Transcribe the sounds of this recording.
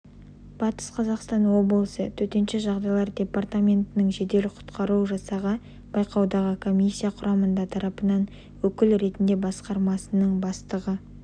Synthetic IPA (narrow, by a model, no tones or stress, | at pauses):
b̥ɑt̪ə̥sqʰɑzɑqst̪ɑnwo̞blˠəsət̪ʰɵt̪e̞nʃɪʒɑʁd̪ɑjlˠɑɾd̪ʲe̞part̪amʲe̞nt̪ɪnɪŋʒe̞d̪e̞lɪqʰʊ̥t̪qɑɾuʒɑsɑʁə | b̥ɑjqɑwd̪ɑʁəkʰo̞mʲisʲːijaqʰʊɾɑmənd̪ɑt̪ʰɑɾɑpənɑn | wɵkʲɪlɾe̞t̪ɪnd̪e̞bɑsqɑɾmɑsənəɴbɑst̪əʁə